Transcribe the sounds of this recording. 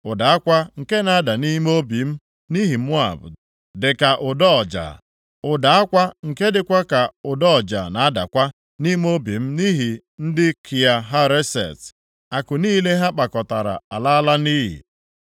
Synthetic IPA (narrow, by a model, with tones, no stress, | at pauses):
ʊ˨da˨a˦kʷa˦ŋ̩˨ke˦na˨a˦da˨ni˦m˦o˦bi˨m̩˦ | ni˦ɦi˨m̩˦ʊ˦a̰˨b̰ | dɪ˨ka˨ʔʊ˨dɔ˦ɔ˨d͡ʒa̰˨ | ʊ˨da˨a˦kʷa˦ŋ̩˨ke˦dɪ˨kʷa˦ka˨ʊ˨dɔ˦˨d͡ʒa̰˨na˨a˦da˨kʷa˦ | ni˦m˦o˦bi˨m̩˦ni˦ɦi˨ | n̩˦dɪ˦kʰi˨a˨ɦa˦ɾe˦sḛ˨t | a˨kʊ˨niː˦le˦ɦa˦k͡pa˨kɔ˨ta˨ɾa̰˨a˨la˦a˦la˦ni˦ɦḭ˨